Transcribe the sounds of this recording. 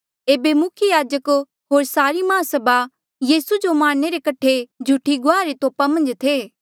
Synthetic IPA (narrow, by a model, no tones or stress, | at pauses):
eːbemʊkʰjəjaːd͡ʒək | ɦoːɾsaːɾimɐasɐba | jiːsud͡ʒomaːɽ̃neɾekɐʈʰːed͡ʒʱuʈʰiɡʊaːɾet̪oːpamɐ̃nd͡ʒt̪ʰeː